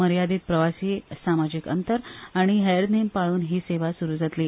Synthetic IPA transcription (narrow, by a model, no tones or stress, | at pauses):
əɾjad̪iːt̪̚pɾəʋasiːsamad͡ʑikə̰nt̪əɾaɽ̃iɦɛɾd̪nempaɭuːnɦiːseʋasuɾuːd͡zat̪liː